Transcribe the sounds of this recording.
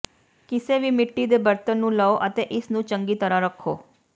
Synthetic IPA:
kɪseʋimɪʈːid̪ebəɾt̪ənːũləʋoʔət̪eʔɪsnũt͡ʃəŋɡit̪əɾaɾəkʰo

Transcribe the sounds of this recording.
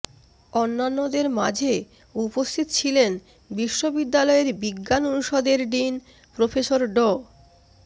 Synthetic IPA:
onːanːod̪eɾmad͡ʑʱe | upost̪ʰit̪ot͡ɕʰilen | biʃːobid̪ːalɔeɾbiɡːanonuʃɔd̪eɾɖin | pɾofeʃoɾɖo

